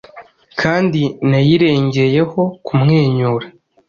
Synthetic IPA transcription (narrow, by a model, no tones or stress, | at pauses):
kʰaːndinajiɾe̞ːɲɟe̞je̞ho̞kumŋe̞ːɲuːɾa